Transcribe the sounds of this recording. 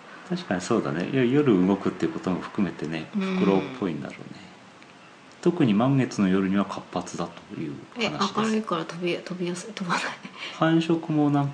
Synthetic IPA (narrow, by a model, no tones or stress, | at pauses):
t̪aɕi̥kaɲ̟iso̞ːd̪a̰ne̞̰jjajo̞ɾɯ̟ɯɡo̞kɯ̟t̪ːeiɯ̟ko̞t̪omo̞ɸɯ̥kɯ̟me̞t̪e̞ne̞ɸɯ̥kɯ̟ɾo̞ːpʰːo̞ĩnd̪a̰ɾo̞̰ːne̞ | t̪o̞kɯ̟ɲ̟imãŋɡe̞t͡sɨno̞jo̞ɾɯ̟ɲ̟iβakʰapːat͡sɨd̪at̪o̥jɯ̟̰ːhanaɕaikdeaɾaikaɾat̪obʲit̪obʲijasɨt̪obanaihʰãɰ̃ɕo̞kɯ̟mo̞nãŋk